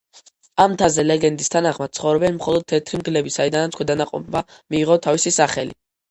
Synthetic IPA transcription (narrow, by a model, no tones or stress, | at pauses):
amt̪ʰazɛlɛɡɛnd̪ist̪ʰanaχmad̪̥̚sʰχɔvɾɛbɛnmχɔlˠɔd̪̚t̪ʰɛt̪ʰɾimɡlɛbisaid̪anat̪skwɛd̪anaqʼɔ̰pʰmamiːʁɔt̪ʰavisisaχɛlḭ